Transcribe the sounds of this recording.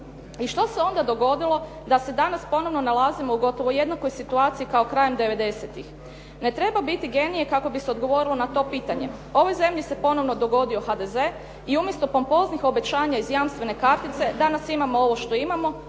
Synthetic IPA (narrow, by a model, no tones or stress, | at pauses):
iʃt̪o̞se̞o̞nd̪ad̪o̞ɡo̞d̪ilo̞ | d̪ase̞d̪anaspo̞no̞ʋno̞nalˠaːzimo̞uɡo̞t̪o̞ʋoje̞d̪nako̞jsit̪uaːt̪siikaokɾajemd̪e̞ʋe̞d̪e̞se̞t̪ix | ne̞t̪ɾe̞babit̪iɡe̞nije̞kako̞biseo̞d̪ɡo̞ʋo̞ɾilo̞nat̪o̞ːpiːt̪aɲe̞ | o̞ʋo̞jze̞mʎise̞po̞no̞ʋno̞d̪o̞ɡo̞d̪io̞xad̪e̞ze̞ː | iumje̞st̪o̞pompo̞znixo̞be̞t͡ɕaːɲaizjaːmst̪ʋe̞ne̞kaɾt̪it̪se̞d̪anasimamo̞o̞ʋo̞ʃt̪o̞imamo̞